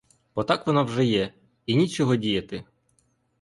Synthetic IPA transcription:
b̥ɔt̪ɑkʋɔnɑwʒɛjɛ | inʲit͡ʃɔɦɔdʲijɐt̪ɪ

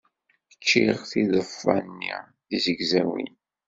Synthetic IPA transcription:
ət͡ʃːiʁθiðəfːɑnːḭ | ðizəɡzæwḭn

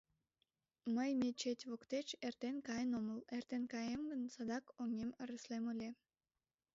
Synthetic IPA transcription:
məjmʲet͡ɕetʲβokt̪et͡ɕert̪enkɑjənoməlert̪enkɑjemɡənsɑd̪ɑkoŋeməɾəslemulʲe

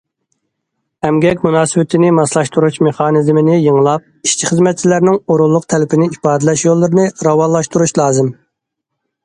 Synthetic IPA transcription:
ɛmɡʲɛkʲmunɑːsɨbɪt̪ʰɪnɪmɑslˠɑʃt̪uɾut͡ʃmeχɑːnɨzmɪnɪjəŋlˠɑp̚i̥ʃt͡ʃʰiχəzmɛt̪̚t͡ʃʰilæɾnɪŋoɾulˠːʊqt̪ʰɛlɪpʰɪnɪipɑːd̪ɪlɛʃjolˠːɨɾɨnɨɾɑwɑlˠːɑʃt̪uɾuʃlˠɑːzɨm

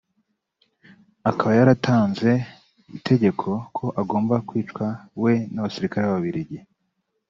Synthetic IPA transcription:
akaβajaɾatʰaːnze̞ | ḭtʰe̞ɟe̞kʰo̞kʰo̞ʔaɡo̞ːmbakwiːt͡ʃkwawe̞naβasiɾikaɾeβaβaβiɾiɟi

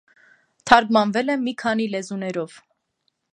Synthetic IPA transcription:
t̪ʰɑɾɡmɑnvɛlɛnːikʰɑn̪ilɛzunɛɾɔv̥

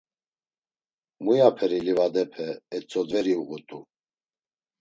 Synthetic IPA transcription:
mujapʰɛɾilivad̪ɛpʰɛːt͡sʼɔd̪vɛɾiuɣut̪ʼu

